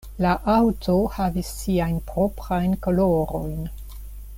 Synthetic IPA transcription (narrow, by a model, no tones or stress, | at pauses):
laʔawtohavisːiajnpɾo̞pɾajnkoloɾo̞jn